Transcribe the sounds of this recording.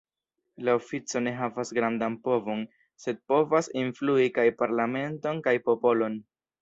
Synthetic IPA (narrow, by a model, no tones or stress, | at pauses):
lao̞fit͡so̞ne̞ɦavasɡɾandanpo̞vo̞n | se̞d̚po̞vasinfluikajpaɾlame̞nto̞nkajpo̞po̞lo̞n